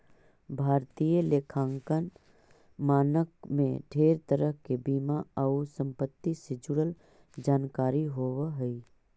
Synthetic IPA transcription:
bʱaːɾt̪ijəleːkʰãːŋkən | maːnəkmḛ̃ɖʱeːɾt̪əɾəɦkebiːmaəusə̃mpət̪ːisɪd͡ʒʊɽəl | d͡ʒaːnkaːɾiɦoːwəɦəi

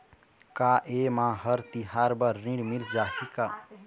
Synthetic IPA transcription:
kaʔemãɦəɾt̪iɦaɾbəɾːĩɽmild͡ʒahika

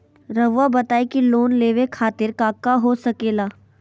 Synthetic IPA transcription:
ɾɐʋʋabɐt̪aːikiloːnleːʋekʰaːt̪ɪɾkaːkːaɦosɐkeːlaː

